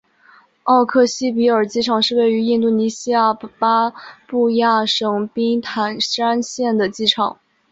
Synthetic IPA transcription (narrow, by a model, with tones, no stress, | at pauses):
ɑ˥˧ʊkʰɤ˥˩ɕi˥p̬i˧˥ə˞˨˩t͡ɕi˥˩ʈ͡ʂʰɑ˨˩ŋʂɻ̩˥˧we˥˩ɪy˧˥i˥˧nt̪u˥˩ni˧˥ɕi˥ja˥˩pa˥pu˥˧ja˥˩ʂɤ˧˥˩ŋpi˥ŋt̪ʰa˧˥nʂa˥nɕjɛ˥˩nd̪ə˩t͡ɕi˥˩ʈ͡ʂʰɑ̰˨˩˦ŋ